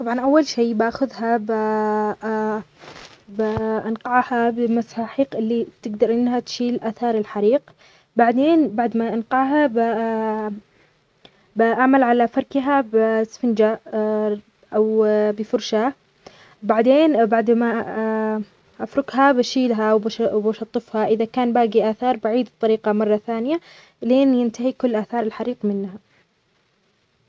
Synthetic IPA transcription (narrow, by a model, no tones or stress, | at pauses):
t̪ˤɑbʕɑnʔawːalʃeːbʔaxʊðhaba | bʔanqɑʕhabɪmasaħiːqʔɪlːit̪ɪɡd̪ɑɾˤʔɪnːɦat̪ʃiːlʔaːθɑːɾˤɪlħaɾiːq | baʕd̪eːnbaʕd̪maʔanqɑʕɦab | bʔaʕmalʕalafɑɾˤkɦabsfɪnd͡ʒa | ʔawbɪfʊɾʃa | baʕd̪eːnbaʕd̪ma | ʔafɾʊɡɦabaʃiːlɦawbabaʃɑt̪ˤːɨfhaʔɪðakaːnbaːɡiʔaːθɑːɾˤbaʕiːd̪t̪ˤːɑɾiːqɑmɑrˤːɑθaːnɪja | leːnjɪnt̪aɦikʊlːʔaːθɑːɾˤɪlħaɾiːqmɪnːha